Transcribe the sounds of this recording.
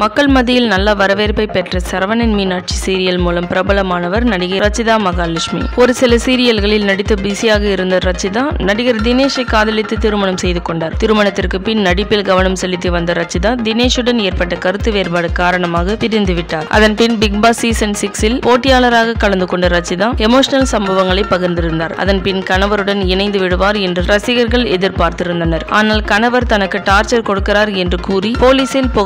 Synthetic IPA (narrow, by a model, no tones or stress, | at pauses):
mɐkːɐɭmɐðɪjɪlnɐlːaʋɐɾɐʋeːɾpːɐɪpɛʈrɐsɐɾʋɐnɛnminaːʈ̚t͡ʃisiːɾɪjɐlmuːlɐmpɪɾɐbɐɭɐmaːnɐʋɐɾnɐɽɪɣɐɾɐt͡ʃːɪðaːmɐɣaːlɪʂmḭɔɾɯsɪlɐsiːɾɪjɐlɣɐɭɪlnɐɽɪt̪ːɯbɪsijaːɣɐɪɾɯnd̪ɐɾɐt͡ʃːɪðaːnɐɽɪɣɐɾd̪ɪneːʂɐɪkːaːðɐɭɪt̪ːɯt̪ɪɾɯmɐɳɐmsɛjðɯkːɔɳɖaːɾt̪ɪɾɯmɐɳɐt̪ːɪrkɯpɪnnɐɽɪpːɪlɡɐʋɐɳɐmsɛlːɪt̪ːɯʋɐnd̪ɐɾɐt͡ʃːɪðaːd̪ɪneːʂɯɽɐneːɾpɐʈːɐkɐɾɯt̪ːɯʋeːɾbaːɽɯkaːɾɐɳɐmaːɣɐt̪ɪɾɪnd̪ɯʋɪʈːaːɾʔɐ̰ðɐnpɪnbɪɡ̚baːsiːsɐnsɪksɪlpoːʈːɪjaːlɐɾaːɣɐkɐɭɐnd̪ɯkɔɳɖɐɾɐt͡ʃːiðãːɛmoːʂɐnɐlsɐmbɐʋɐŋɡɐɭɐɪpːɐɣɐɾnd̪ɪɾɯnd̪aːɾɐ̰ðɐnpɪnkɐnɐʋɐɾɯɽɐnɪnɐɪnd̪ɯʋɪɽɯʋaːɾɛndrɯɾɐsɪɣɐɾɣɐɭɛðɪɾpaːɾt̪ɪɾɯnd̪ɐnɐɾaːnaːlkɐnɐʋɐɾt̪ɐnɐkːɯʈaːɾt͡ʃɐɾkɔɽɯkːɪɾaːɾɛndrɯkuːripoːliːsɪlpoː